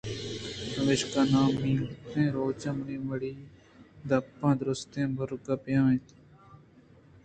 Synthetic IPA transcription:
ʋeːʃkãːnãːmiːlt̪ẽːɾoːt͡ʃəmɳĩːʋəɽiː | d̪əpːãːd̪ɾʊst̪ẽːbəɾɡəpjãːẽːt̪ː

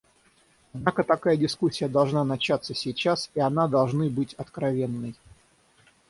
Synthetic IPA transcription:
ɐd̪nakət̪ɐkajədʲɪskusʲːɪjəd̪ɐlˠʐnanɐt͡ɕat̪sːəsʲɪjt͡ɕasiɐnad̪ɐlˠʐnɨbɨtʲɐt̪kɾɐvʲe̞nːəj

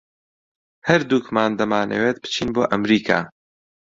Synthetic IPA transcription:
hɐɾd̪uːkmaːnd̪ɐmaːnɐ̰weːt̪̚bɨ̥t͡ʃʰiːnboːʔɐmɾiːkʰa̰ː

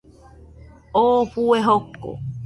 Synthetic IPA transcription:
oːfueɦokːo̰

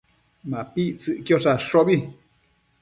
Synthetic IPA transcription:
mãpiʔt͡sɨʔkjosaʂoβi

